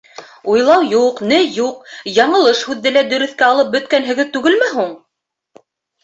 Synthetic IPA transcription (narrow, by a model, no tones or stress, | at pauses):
ujlˠɑwjuqnɘjuq̚jɑɴɤ̆lˠɤʃhʉðːɘlæd̪ɵ̆ɾɵ̆θkæɑlˠɤp̚bɵ̆t̪kænɦɘ̆ɡɘt̪ʉɡɘlmɘɦuɴ